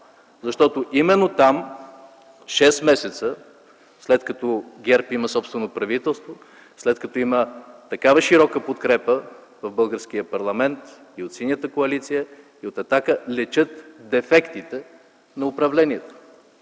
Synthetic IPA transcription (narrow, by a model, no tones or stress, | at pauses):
zɐʃt̪ɔt̪oʔimɛnːot̪am | ʃɛsmɛsɛt̪sə | slɛt̪kɐt̪ɔɡʲɛɾpiməsɔpst̪vɛnopɾɐvit̪ɛlˠst̪vo | slɛt̪kɐt̪ɔimət̪ɐkavɐʃiɾɔkəpot̪kɾɛpə | vɐvbɤlˠɡəɾsk̟ijəpɐɾlˠɐmɛnt̪ | iot̪sinʲjət̪əkoɐlit̪sijə | iot̪ɛt̪akəlɛt͡ʃɤt̪d̪ɛfɛkt̪it̪ɛ | nɐʊpɾɐvlɛniɛt̪o̥